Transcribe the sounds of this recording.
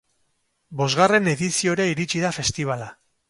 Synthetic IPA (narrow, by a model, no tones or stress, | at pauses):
bo̞zɣare̞ne̞ðisio̞ɾaiɾit͡ʃiðafe̞st̪iβ̞ala